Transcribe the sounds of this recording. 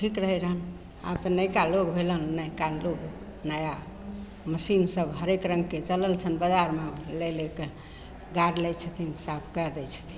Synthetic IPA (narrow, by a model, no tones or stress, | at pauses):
ʈʰikɾəɦɛɾəɦən | a̰bt̪ənəjkaloɡbʱelənːəjkaloɡ | nəja | məsinsəbɦəɾekɾəŋɡ̚ket͡ʃələlt͡ʃʰənbəd͡ʒaɾmeleleke | ɡaɾlɛjt͡ʃʰət̪ʰinsapʰkəd̪ɛt͡ʃʰə̥t̪ʰin